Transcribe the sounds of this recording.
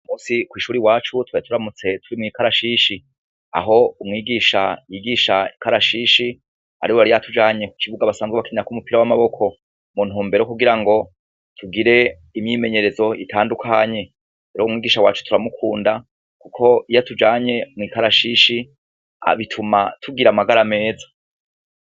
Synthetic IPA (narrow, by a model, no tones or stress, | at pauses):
umuːsikwiːʃuːɾiwaːt͡ʃutwatʰuɾamut͡se̞tʰuɾimŋiːkaɾaʃiʃi | a̰ɦo̞umŋiːɡiʃajiɡiʃaikaɾaʃiʃi | a̰ɾiwoaɾijatʰud͡ʒaːɲe̞ku̥t͡ʃivuɡaβasaːmzɡweβakiɲɾakumupiɾawamaβo̞kʰo̞ | mun̥huːmbe̞ɾokuɡiɾaŋɡo̞ | tʰuɡiɾe̞ | imɲiːme̞ɲe̞ɾe̞zo̞itʰaːndukʰaɲe̞ | eɾoumŋiːɡiːʃawa̰ːt͡ʃu̥tʰuɾamukʰuːnda | kukʰo̞ijatud͡ʒaːɲe̞mŋiːkaɾaʃiʃi | a̰βitʰumatʰuɡiɾamaɡaɾame̞ːzḁ